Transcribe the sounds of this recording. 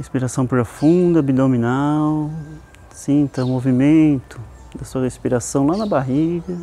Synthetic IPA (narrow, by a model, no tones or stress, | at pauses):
hespiɾasɐ̃w̃pɾofũd̪ɐbid̪ominaw | sĩnt̪ɐ̃movimẽnt̪ʊ | d̪ɐsuɐhespiɾasɐ̃w̃lanɐbaɦiɡɐ